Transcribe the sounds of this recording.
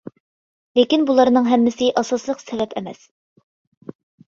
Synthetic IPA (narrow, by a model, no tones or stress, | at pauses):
lekʲinbulˠɑɾnɨŋɦɛmːɪsɪʔɑsɑslˠəqsɛvɛpɛmɛ̰s